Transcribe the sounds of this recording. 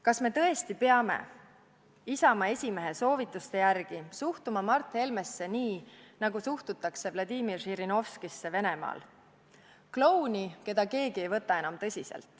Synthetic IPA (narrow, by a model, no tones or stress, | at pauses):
kɑsme̞t̪ɤ̞e̞st̪ipeɑme̞̰ | isɑmɑe̞sʲime̞ɦe̞so̞ːvit̪ːˑust̪e̞jærɡ̥isuht̪umɑmɑrt̪ˑhe̞lme̞sːe̞niːnɑɡusuht̪ut̪ːˑɑkse̞vlɑd̪iːmirʃiɾino̞fskisːe̞ve̞ne̞mɑ̰ːl | klo̞wnike̞d̪̥ɑke̞ːɡie̞jvɤ̞t̪ːˑɑe̞nɑmt̪ɤ̞sʲise̞̰lt̪ˑ